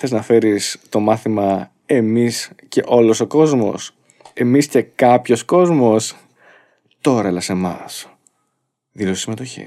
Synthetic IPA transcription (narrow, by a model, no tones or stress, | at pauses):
θe̞znɐfe̞ɾist̪o̞mɐθimɐ | e̞misce̞̰ʔo̞lo̞so̞ko̞zmo̞̰s | e̞misce̞kɐpço̞sko̞zmo̞s | t̪o̞ɾɐelɐse̞mɐ̰s | ðilosisime̞t̪o̞çḭ